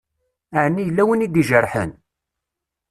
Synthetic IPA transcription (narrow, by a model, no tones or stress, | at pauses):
əʕnːijəlːæwənid̪iʒərˤħə̰n